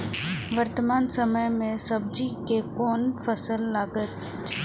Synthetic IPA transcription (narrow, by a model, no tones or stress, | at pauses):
ʋɐɾt̪əmaːnsəməjmẽsɐb̚d͡ʒikekɔːnfʰɐsəlːaːɡət̪